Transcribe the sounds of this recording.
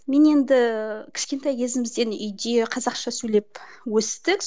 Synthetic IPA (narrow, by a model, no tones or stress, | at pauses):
me̞ne̞nd̪ɪkʲʰɪ̥ʃkʲe̞nt̪ɑjkʲʰe̞zɪmɪzd̪e̞nʏjd̪e̞qʰɑzɑqʃɑsɵle̞pwɵst̪ɪk